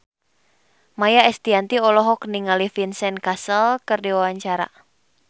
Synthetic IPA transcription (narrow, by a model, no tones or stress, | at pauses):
majaɛst̪iant̪iɔlɔɦɔkniŋalifinsɛnkasəlkərdiwawaɲt͡ʃaɾa̰